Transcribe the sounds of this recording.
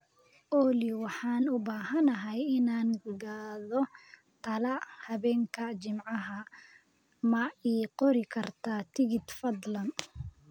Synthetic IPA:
ʔɔːliwɑħɑːnʊbaːɦɐnɐɦɛjɪnaːnɡaːðɔ | t̪ʰɐlɐhɐβɛːŋkʰɐt͡ʃɪmʕɑɦɐ | mɐiːqɔɾɪkʰɐrt̪ʰaːt̪ʰɪɣɪd̪fɐd̪lɐn

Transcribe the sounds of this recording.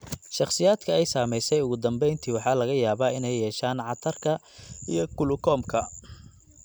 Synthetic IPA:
ʃɑχsɪjaːd̪kʰɐɛjsaːmɛjsɛjʊɣʊd̪ɐmbɛjnt̪ʰiwɑħɑːlɐɣɐjaːβaːɪnɛjːɛːʃaːnʕɑt̪ʰɐrkʰɐ | ijɞkʰʊlʊkʰɔːmkʰɐ

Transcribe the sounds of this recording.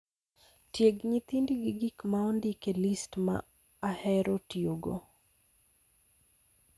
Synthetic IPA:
tjeɡɲit̪indiɡiɡikmaɔndikelistma̰ː | hɛɾotioɡo̰

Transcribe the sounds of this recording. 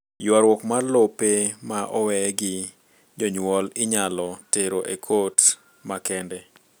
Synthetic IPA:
jwaɾwɔkmarlopemaʔɔwɛɡɪ | d͡ʒoɲwɔlɪɲalɔteɾoʔekʰot | makɛndɛ

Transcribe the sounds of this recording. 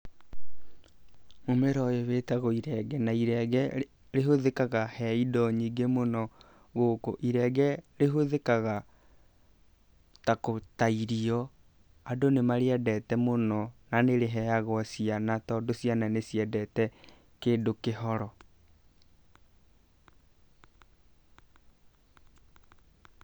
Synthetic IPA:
momeɾɔeweːtaɣɔiɾɛɡɛnaiɾɛɣɛ | ɾeɦoðekaɣahɛidɔɲiɡemonɔ | ɣokoʔiɾɛɡɛɾeɦoðekaɣa | takotaiɾiɔ | adonemaɾeɛdɛtɛmonɔnaneɾeɦɛjaɣɔsianatɔːdosiananesiɛdɛtɛ | keːdokeɦɔɾɔ

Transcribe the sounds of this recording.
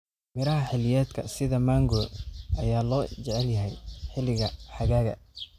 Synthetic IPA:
mɪɾɐɦɐħɪlɪjɛːd̪kʰɐ̰sɪðɐmaːŋɡɔːd̪ʔɐjaːlɔːt͡ʃɛʕɛljɐɦɛjħɪlɪɣɐħɑɣaːɣɐ̰

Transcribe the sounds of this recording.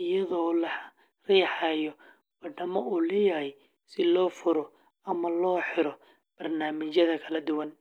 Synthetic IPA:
ɪjɐðɔːlɐ | rɛːħɑjɔ | wɐɖɐmɐʔuːlɛjɐhɛj | sɪlɔːfʊɾɔ | ɐmɐlɔːħɪɾɔ | b̥ɐrnaːmɪt͡ʃjɐðɐkʰɐlɐd̪ʊwɐn

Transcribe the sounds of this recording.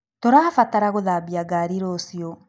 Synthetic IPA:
tɔɾaːfataɾaɣoðabiaɡaɾiɾosiɔ

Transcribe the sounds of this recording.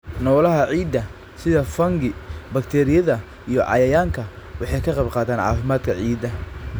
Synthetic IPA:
nɔːlɐɦɐʕiːd̪ɐ | sɪðɐfɐŋɡɪbɐkt̪ʰɛːɾɪjɐðɐ | ijɔʕɑ̰jɐjaːŋkʰɐ | wɑħɑjkʰɐqɑjbqɑːt̪ʰaːnʕɑ̰ːfɪmaːd̪kʰɐʕiːd̪ɐ

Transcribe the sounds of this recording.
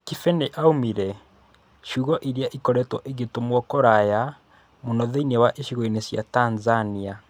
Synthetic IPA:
kifɛneʔaumiɾɛ | ʃuːɣɔʔiɾeaʔikɔɾɛtwɔʔeɣetomwɔkɔɾaja | monɔðeinewaʔeʃiɣoenesja̰tanzania

